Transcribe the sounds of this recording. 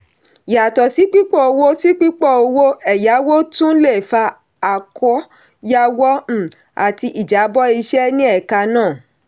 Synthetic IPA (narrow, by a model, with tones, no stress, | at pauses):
ja˨tɔ˨si˨˦k͡pi˦k͡pɔ˦˨o˧wo˦si˦k͡pi˦k͡pɔ˦˨o˧wo˦ɛ˨ja˨˦wo˦tũ˦le˦˨fa˧ | a˨kɔ˨˦ | ja˧wɔ˦˨ | a˨ti˧ʔi˨d͡ʒa˨˦bɔ˦i˧ʃɛ˦nĩ˦ɛ˦˨ka˧nãː˦˨